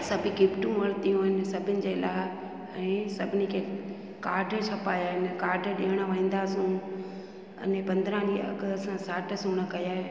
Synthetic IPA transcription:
sɐbʱɪkɪpʈũʋɐɾt̪ijũːɦɪnɪ̆sɐbʱɪnɪ̆d͡ʑeːlaː | ɛ̃ːsɐbʱɪnɪkʰeː | kaːɾɖʱt͡ɕʰɐpaːjaːɦɪnkaːɾɖʱɗiːɦəɽ̃əʋɐ̃ːn̆d̪aːsũ | ɐ̰nɪpɐ̃nd̪ɾãliɐ̰ɡəsãsaːʈʰsuːɽ̃əkɐjaː

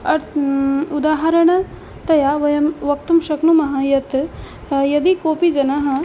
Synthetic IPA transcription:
ɐɾud̪aːɦɐɾɐɳɐ | t̪ɐjaːʋɐjɐmʋɐk̚t̪umʃɐknumɐɦɐjɐt̪ | jɐd̪ikoːpid͡ʒɐnaɦɐ̆

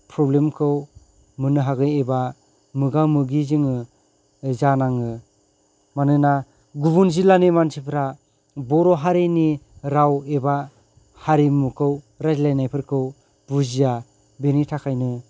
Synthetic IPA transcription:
pʰɾɔblemkʰɯw | mɯnɯɦaɡɯjeba | mɯɡawmɯɡizɯŋɯ | zanaŋɯ | manɯna | ɡubunzilanimanʰipʰɾa | bɔɾɔɦaɾeniɾaweba | haɾimukʰɯw | ɾazlajnajpʰɯɾkʰɯw | b̥uzija | benitʰakʰajnɯ

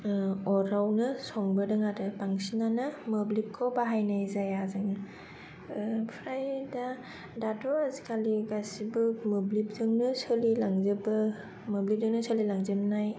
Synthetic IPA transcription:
ɔɾawnɯsɔŋbɯdɯŋadɯpaŋsinanamɯblip̚kʰowbaɦajnajzajazaŋa | pʰɾajda | datʰɔazikʰaliɡasibɯmɯblip̚zɯŋnɯsɯlilaŋzɯbɯ | mɯblip̚zɯŋnɯsəlilaŋzɯmnaj

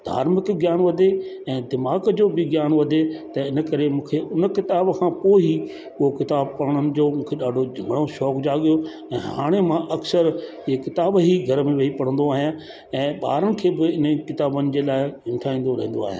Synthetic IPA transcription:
d̪ʱa̰ːɾmɪkɡjaːnʋɐd̪ʱe | ɛ̃ːd̪ɪmaːɡd͡ʑoːbɪɡjaːnʋɐd̪ʱet̪ɐɪnə̆kɐɾemũːkʰeʔʊnə̆kɪt̪aːbkʰãpoːi | ʊɦokɪt̪aːb̚pɐɽəɽ̃ənɪ̆d͡ʑoːmũːkʰeɗaːɖʱod͡ʑʱɐ̃ŋɡɽ̃oʃɔːkd͡ʑaːɠijo | ɛ̃ːɦaːɽ̃emãʔɐksəɾ | kɪt̪aːbɦiɡʱɐɾmẽʋɐipɐɽ̤ə̃nd̪oaːɦɪj | ɛ̃ːɓa̰ːɾənɪ̆kʰeːbɪɪnəkɪt̪aːbənɪ̆d͡ʑeːlaːɪɪ̃nʈʰaːĩːn̆d̪oɾɐɦĩːn̆d̪oa̰ːɦɪḛ

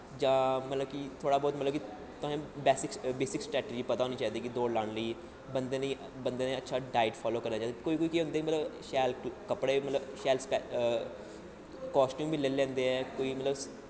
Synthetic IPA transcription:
d͡ʒãːmət̪ləbkit̪ʰoːɽaːbɔːt̪mət̪ləbki | t̪ʊẽːbɛːsɪkbeːsɪksʈɾɛːʈeːd͡ʒiːpət̪aːɦoːniːt͡ʃaːiːd̪eiːkid̪oːɽlaːɽləiː | bənd̪eːnəĩː | bənd̪eːnːətːʃʰaːɖaːɪʈfʰɔːloːkəɾnaːaːd̪koːiːkoːiːkiːɦʊ̃ːnd̪eːmət̪ləbʃɛːlkəpɽeːmət̪ləbʃɛːlspɛ | kɔːsʈjũːmbiːleːlɛ̃ːnd̪eːɛːkoːiːmət̪ləbs

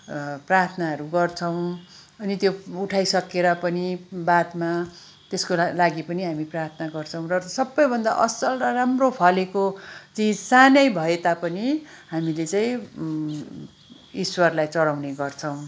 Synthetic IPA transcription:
prart̪ʰnaɦʌɾuɡʌrt͡sʰʌw̃ | ʌnit̪jouʈʰajsʌkeɾʌpʌnibad̪ma | t̪eskolaɡipʌniɦamiprart̪ʰnaɡʌrt͡sʰʌ̃w̃rʌsʌbːʌjbʱʌnd̪a̰ʔʌsʌlrʌramropʰʌlekot͡sid͡zsanʌjbʱʌet̪apʌni | ɦamilet͡saĩ | iswʌrlajt͡sʌɽawneɡʌrt͡sʰʌw̃

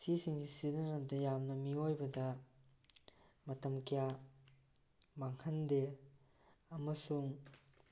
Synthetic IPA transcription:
sisiŋsisinɐnɐp̚dɐjamnɐmiojbɐdɐ | mɐtɐmkija | maŋhɐnde | ɐmɐsuŋ

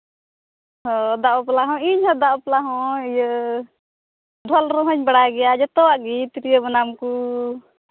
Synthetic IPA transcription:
ɦɔd̪aʔɔplaɦɔ̃iɲhɔd̪aʔɔplaɦɔ̃ijə | ɖʱɔlɾɔɦɔɲbaɽaɡɛjad͡ʒɔt̪ɔwaʔɡit̪iɾijəbɔnamku

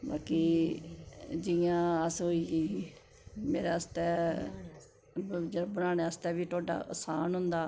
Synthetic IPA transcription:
ba̰ːkiː | d͡ʒɪjãːəsɦoːiːɡiː | meːɾeːəst̪ɛː | d͡ʒəbənaːɳeːəst̪ɛːbiːt̪ʰoːɖa̰ːəsaːnɦʊnd̪aː

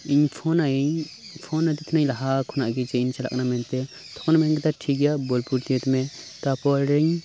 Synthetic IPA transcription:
iɲpʰɔnaiɲ | pʰɔnad̪it̪ʰnaɲlaɦakʰɔnaʔɡɛd͡ʒɛint͡ʃala̰knamɛnt̪ɛ | t̪ʰɔ̥knamɛnɡɛt̪aʈʰiɡɛjabɔlpuɾt̪iət̪mɛ | t̪apɔɾɛɲ

